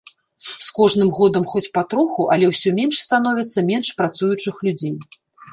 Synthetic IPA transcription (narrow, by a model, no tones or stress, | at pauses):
skɔʐnɨmɣɔd̪ɐmxɔt͡sʲpat̪ɾɔxuʔɐlʲɛwsʲɔmʲɛnʂst̪an̪ɔvʲit̪sːɐmʲɛnʂpɾat̪sujut͡ʂɨxlʲud͡zʲej